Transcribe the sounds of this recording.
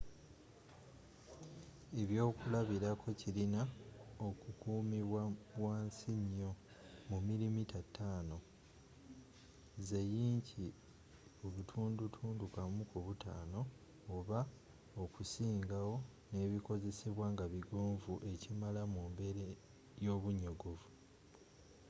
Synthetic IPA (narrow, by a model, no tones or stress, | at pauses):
e̞βjo̞ːkulaβiɾakʰo̞cilinaokukuːmiβwawaːnsiɲːo̞ | mumilimitatʰːaːno̞ | ze̞jiːɲci | oβutʰuːndutʰuːndukamukuβutʰaːno̞ː | βa | okusiːŋɡawo̞ne̞ːβiko̞ze̞seβwaːŋɡaβiɡoːɱvuʔe̞cimalamumbe̞ɾe | jo̞ːβuɲːoɡuvu